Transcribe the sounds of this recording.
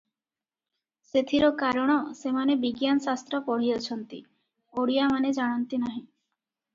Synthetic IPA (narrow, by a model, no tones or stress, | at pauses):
set̪ʰiɾɔkaɾɔɽ̃ɔsemanebiɡjansast̪ɾɔpɔɽ̤ijɔt͡ɕʰɔnt̪ḭ | oɽijamaned͡ʑaɽ̃ɔnt̪inaɦĩ